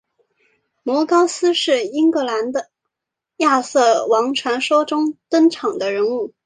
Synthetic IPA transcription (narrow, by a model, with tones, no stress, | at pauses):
mwɔ˧˥kɑ˥ʊsɹ̩˥ʂɻ̩˥˩i˥ŋkɤ˥˩la˧˥nd̪ə˧ | ja˥˧sɤ˥˩wɑ˧˥ŋʈ͡ʂʰwa˧˥nʂo˥ʊʈ͡ʂʊ˥ŋt̪ə˥nʈ͡ʂʰɑ˨˩ŋd̪ə˦ɻə˧˥nu˥˩